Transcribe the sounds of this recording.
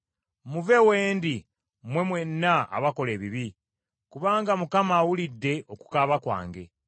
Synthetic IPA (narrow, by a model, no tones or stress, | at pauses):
muve̞we̞ːndi | mwe̞mwe̞nːaa̰βako̞le̞ːβiβi | kuβaːŋɡamukamawulidːe̞ʔo̞ku̥kaβakwa̰ːŋɡe̞̰